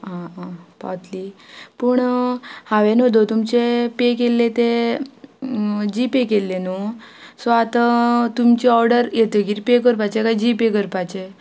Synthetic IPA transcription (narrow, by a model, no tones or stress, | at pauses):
ãapa̰t̪lipəɳhaʋenod̪ot̪umt͡ɕepekelːet̪e | d͡ʑipekelːenosoat̪at̪umt͡ɕiɔɾɖəɾjet̪əɡiɾipekəɾpat͡ɕekajd͡ʑipekəɾpajt͡ɕe